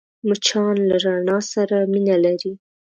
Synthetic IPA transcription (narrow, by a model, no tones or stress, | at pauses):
mʊt͡ʃʰɑnlaɾaɳɑsaɾaminalaɾi